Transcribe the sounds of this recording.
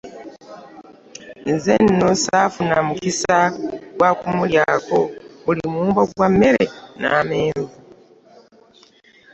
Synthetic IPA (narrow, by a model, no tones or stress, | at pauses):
nzenːosafunamukisaɡwakumuljako̞βulimuːmbaɡwamːe̞ɾe̞̰na̰ːme̞ːɱvu